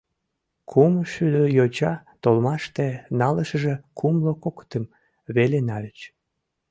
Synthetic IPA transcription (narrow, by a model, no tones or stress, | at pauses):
kʰumʃyløjot͡ɕɑt̪olmɑʃt̪enɑləʃəʒekʰumlokokt̪əm | βelenɑlət͡ɕ